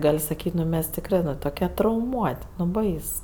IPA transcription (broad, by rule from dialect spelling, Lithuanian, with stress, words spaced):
ˈɡɐlʲ sɐˈkʲiːtʲ nʊ ˈmʲɛs tʲɪkˈrɜ nʊ toːˈkʲɛ trɐʊˈmuɔtʲ nʊ ˈbɐɪs